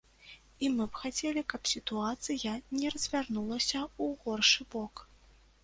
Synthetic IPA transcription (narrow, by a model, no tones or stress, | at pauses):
imɨbxat͡sʲɛlʲikɐpsʲit̪uat̪sɨjɐnʲɛrɐzʲvʲarnulˠɐsʲɐuɣɔrʂɨbɔk